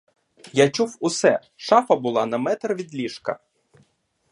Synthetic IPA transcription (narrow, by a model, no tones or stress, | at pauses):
jat͡ʃuwʊsɛ | ʃɑfɐbʊlˠɑnɐmɛt̪rʋʲid̪lʲiʃkɐ̰